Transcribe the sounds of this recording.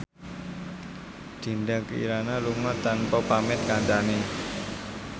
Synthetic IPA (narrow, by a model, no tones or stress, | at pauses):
d̪̥i̤ndakəḭɾanaluŋɔt̪ːanpɔpamɪt̪̚kant̪ane